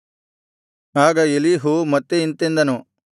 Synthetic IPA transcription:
aːɡɐeliːɦumɐt̪ːeint̪end̪ɐnu

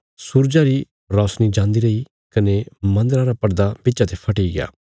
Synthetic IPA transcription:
suːɾd͡ʒaɾi | ɾɔːsnid͡ʒãːnd̪iɾɐi | kɐnemɐ̃nd̪ɾaɾapɐɾd̪abɪːt͡ʃat̪epʰɐʈiɡɪa̰ː

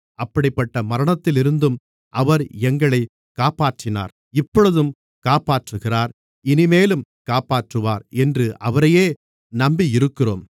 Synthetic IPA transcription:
ɐpːɐɽɪpːɐʈːɐmɐɾɐɳɐt̪ːɪlɪɾɯnd̪ɯm | ʔɐʋɐɾɛŋɡɐɭɐɪ | kaːpaːʈrɪna̰ːɾ | ɪpːɔɭɯðɯm | kaːpaːʈrɯɣɪraːɾ | ɪnɪmeːlɯm | kaːpaːʈrɯʋaːɾɛndrɯʔɐʋɐɾɐjeː | nɐmbiɪɾɯkːɪro̰ːm

